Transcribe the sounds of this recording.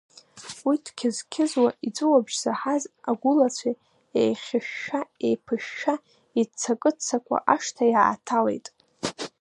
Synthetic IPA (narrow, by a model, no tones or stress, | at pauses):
witʰkʲʰɪzkʲʰɪzwaʔit͡sʷʼɨwabʒz̥aħazaɡʷʊlat͡sʷʰa | ejχʲɪʃːaejpʰɨʃa | it͡sʰakʼɨt͡sʰːakʷʰa̰ʔaʂtʰaja̰ːtʰalḛjtʼ